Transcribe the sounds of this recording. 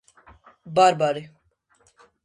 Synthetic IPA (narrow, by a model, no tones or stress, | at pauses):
baɾbaɾi